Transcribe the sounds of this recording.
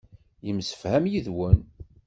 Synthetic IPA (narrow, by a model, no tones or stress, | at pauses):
jəmsə̥fhæmjiðwən